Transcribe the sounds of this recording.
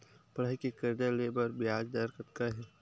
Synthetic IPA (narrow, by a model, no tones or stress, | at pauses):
pɐɽaɦikekɪɾd̪aleːbəɾbɪjaːd͡ʒd̪aɾkət̪kaɦɛː